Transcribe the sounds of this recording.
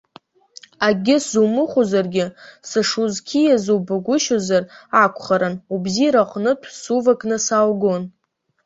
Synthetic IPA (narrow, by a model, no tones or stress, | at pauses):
aɡʲɪsumɨχʷozarɡʲɪsɨʂuzkʲʰijazubaɡʷʊʃozarakʷʰʼχaɾanubziɾaqʷʼnɨtʷʰsuvakʼnɨsalɡon